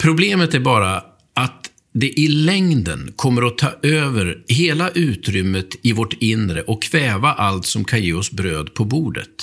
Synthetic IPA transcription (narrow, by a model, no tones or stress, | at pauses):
pʰɾʊbleːmət̪æɾbɑːɾa | at̪ | d̪ɛʔɪlɛŋd̪ə̰nkʰɔmːəɾɔt̪ʰɑ̰ːʔøːvəɾɦeːlaʔʉ̟ːt̪ɾʏmːət̪ɪvɔʈɪnɾə̰ʔɔkʰːv̥ɛːvaʔalt̪sɔmkʰanjeːɔsbɾøːd̪pʰɔbuːɖə̰t̪